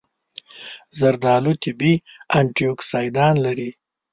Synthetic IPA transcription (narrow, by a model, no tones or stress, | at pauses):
zaɾd̪ɑːlut̪ɪbiaɳʈijoksɑːjd̪ɑːnlaɾi